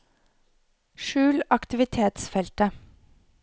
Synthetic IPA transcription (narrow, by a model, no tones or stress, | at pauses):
ʃʉːlɑkt̪ɪʋɪt̪ʰeːt̪sfɛlt̪ə